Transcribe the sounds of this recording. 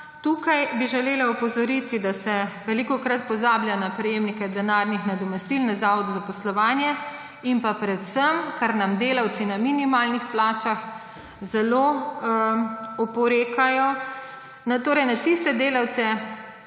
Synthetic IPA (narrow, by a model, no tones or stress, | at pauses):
t̪ukajbiʒɛleːlaɔpɔzɔɾit̪id̪asɛʋɛlikɔkɾat̪̚pɔzaːbljanapɾɛjeːmnikɛd̪ɛnaːɾnixnad̪ɔmɛst̪ilnazaːʋɔd̪uzapɔslɔʋaːnjɛ | impapɾɛt̪səmkaɾnamd̪eːlawt̪sinaminimaːlnixplaːt͡ʃax | zɛlo | ɔpɔɾeːkajɔ | nat̪oːɾɛjnat̪ist̪ɛd̪eːlawt̪sɛ